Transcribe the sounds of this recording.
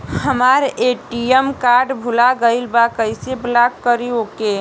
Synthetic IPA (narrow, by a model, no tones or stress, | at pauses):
həmaɾeʈiemkaɾɖbʱulaɡəɪlbakəjseblakːəɾioke